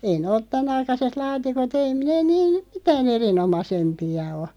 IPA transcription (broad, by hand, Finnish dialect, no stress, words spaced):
ei nĕ oˑt tænɑikɑset lɑːtikot ei neː niːn̞ mitæːn erinomɑsempiɑ o